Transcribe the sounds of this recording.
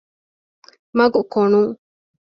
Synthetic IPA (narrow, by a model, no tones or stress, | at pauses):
mɐɡukonuŋ